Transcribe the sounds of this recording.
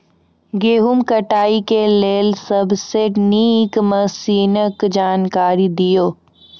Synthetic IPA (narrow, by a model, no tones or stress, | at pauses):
ɡeːɦumkɐʈaːikeleːlsɐbseniːkmɐsiːnəkd͡ʒaːnkaːɾid̪ijoː